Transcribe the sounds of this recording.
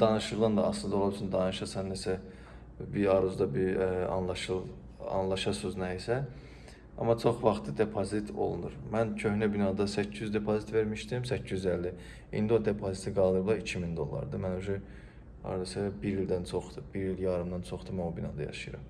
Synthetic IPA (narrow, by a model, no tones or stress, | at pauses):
d̪ɑnɯʃɯɾlˠɑnd̪ɑɑ̰slɯnd̪olˠubsʰynd̪ɑnɯʃɑsɑnːesæ | biɑɾuzd̪ɑbiɑ̰nlˠɑʃɯlˠ | ɑ̰nlˠɑʃɑsuznæisæ | ɑ̰mɑt͡ʃʰo̞χvɑχt̪ʰɯd̪e̞pʰozit̪ʰo̞̰lˠṵnuɾmæncʰø̞hnæbinɑd̪ɑsæcʰːyzd̪e̞pʰozit̪ve̞ɾmiʃt̪imsæcʰːizyzælːi | ḭnd̪io̞d̪e̞pʰozit̪ʰiɡɑlˠd̪ɯɾɯblˠɑɾicʰimind̪o̞lˠːɑ̰ɾd̪ɯmænøʒɛ | ɑ̰ɾd̪ɑsɛbiɾild̪ænt͡ʃʰo̞χd̪ɯbiɾiljɑɾɯmd̪ɑnt͡ʃʰo̞χd̪ɯmænobinɑ̰d̪ɑjɑ̰ʃɯjɯɾɑ̰m